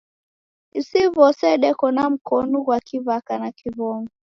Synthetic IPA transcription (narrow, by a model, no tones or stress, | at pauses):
isiβɔsɛɗɛkɔnam̩kɔnuɣwakʰiβakanakʰiβɔŋɡɔ